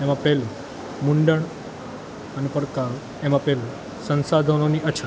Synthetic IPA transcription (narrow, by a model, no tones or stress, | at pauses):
emãpɛlu | muɳɖəɳ | ənepəɾkaɾ | emãpɛlu | sə̃nsad̪ʱənoniʔət͡ʃʰ